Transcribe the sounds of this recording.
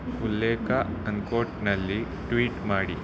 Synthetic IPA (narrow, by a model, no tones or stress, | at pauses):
ulːeːkɐɐnkoːɾʈnɐlːi | ʈʋiːʈmaːɽi